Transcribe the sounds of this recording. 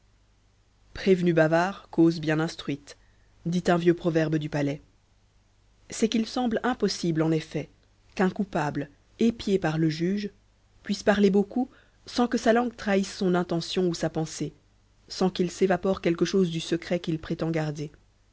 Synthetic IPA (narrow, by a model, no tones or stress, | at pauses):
pχevnybavaːʁkozbjɛ̃nɛ̃st̪χɥit̪ | d̪it̪ɛ̃vjøpχɔvɛʁbd̪ypalɛ | sɛkilsɑ̃blɛ̃pɔsiblɑ̃nefɛ | kɛ̃kupabl | epjepaʁləʒyʒ | pɥispaʁleboku | sɑ̃kəsalɑ̃ɡt̪χaisːɔ̃nɛ̃t̪ɑ̃sjɔ̃usapɑ̃se | sɑ̃kilsevapɔʁkʲɛlkəʃozd̪ysəkχɛkilpχet̪ɑ̃ɡaʁd̪e